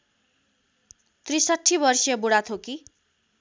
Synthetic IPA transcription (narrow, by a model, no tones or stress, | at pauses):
t̪risaʈʰːibʌrsjʌbuɽat̪ʰoki